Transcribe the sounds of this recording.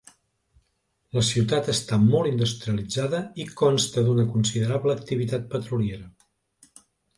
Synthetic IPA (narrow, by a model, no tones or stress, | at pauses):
ləsiwt̪at̪əst̪amɔlˠind̪ust̪ɾiəlid͡zaðəikɔnst̪əd̪unəkunsiðəɾaβləːk̚t̪iβit̪at̪̚pət̪ɾulieɾə